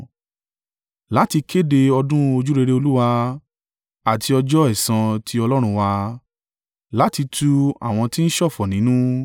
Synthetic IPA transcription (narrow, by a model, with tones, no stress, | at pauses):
la˨˦ti˧kʰe˦de˧ɔ˧dũ˦o˧d͡ʒu˦ɾe˧ɾe˧˦o˧lu˦wa˧ | a˨tʰi˧ɔ˧d͡ʒɔ˦ɛ˦˨sã˧tʰi˧ɔ˧lɔ˦ɾ̃ũ˧wa˧ | la˨˦ti˧tʰu˦a̰˨w̃ɔ̃˧ti˦n̩˦ʃɔ˦˨fɔ˨nĩ˨˦nũ˦